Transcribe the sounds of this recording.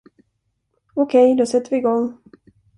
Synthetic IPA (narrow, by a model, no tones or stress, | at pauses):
okʰɛjd̪osɛt̪ːəvɪːɡɔŋː